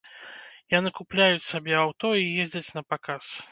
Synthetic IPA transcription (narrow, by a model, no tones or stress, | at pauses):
janɨkuplʲajut͡sʲsabʲɛawt̪ɔijezʲd͡zʲɐt͡sʲnɐpakas